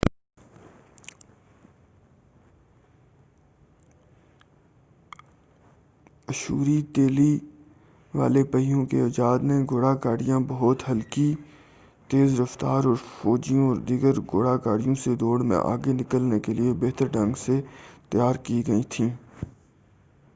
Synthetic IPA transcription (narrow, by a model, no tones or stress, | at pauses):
ɐʃṵːɾit̪eːli | ʋa̰ːlepəɦijõkeɐd͡ʒaːd̪nẽɡoːɽakaːɽijãbɐɦʊt̪ɦɐlki | t̪eːzɾɐft̪aːɾɔːɾfɔːd͡ʒijõɔːɾd̪iːɡəɾɡoːɽakaːɽijõsed̪oːɽmḛ̃ʔa̰ːɡenɪkəlnekeliebeɦt̪əɾɖɐ̃ŋɡset̪jaːɾkiɡɐit̪ʰĩː